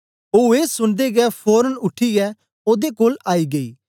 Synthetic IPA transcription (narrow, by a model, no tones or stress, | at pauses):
oueːsʊnd̪eɡɛːpʰoːɾənʊʈʰːiɛː | oːd̪ekoːlaːiːɡɐḭː